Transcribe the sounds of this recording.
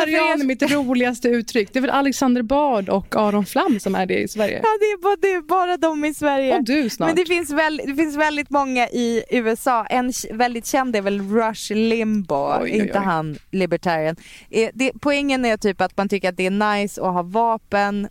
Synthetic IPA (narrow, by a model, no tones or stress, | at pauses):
ɾenmɪt̪ɾuːlɪɡast̪əʉ̟ːt̪ʰɾʏkːd̪ɛæɾvɛlʔalɛksand̪əɾbɑːɖɔkʰːɑːɾɔnflamːsɔmæ̰ɖɛ̰ɪ̰svæɾjə̰ɑːd̪ɛːbd̪ɛːbɑːɾad̪ɔmɪsvæɾjəd̪ʉsnɑmɛnːd̪ɛfɪnsvɛld̪ɛfɪnsvɛld̪ɪt̪mɔŋːaʔɪʉ̟ːɛsɑːʔɛnvɛld̪ɪt̪ɕɛnd̪æɾvɛlɾaʂlɪmbʊɛɾɪnt̪ːəɦanlɪbəʈʰæːɾɪənʔɛd̪ɛpʰɔɛŋːənæɾʈʰyːpat̪mant̪ʰʏkːəɾat̪̚d̪ɛæɳajsɔ̰ɦɑːvɑːpən